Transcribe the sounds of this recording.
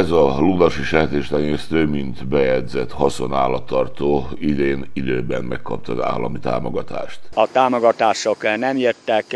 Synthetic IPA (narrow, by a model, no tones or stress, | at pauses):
ɛzɒlulɒʃiʃɛt̪eːʃt̪ɛɲeːst̪øːmint̪bɛjɛd̪zɛt̪hɒso̞naːlːɒt̪ːɒrt̪oː | id̪eːnid̪øːbɛnmɛkːɒp̚t̪ɒza̰ːlːɒmit̪a̰ːmoɡɒt̪a̰ːʃt̪ɒt̪aːmoɡɒt̪aːʃo̞knɛmert̪ːɛk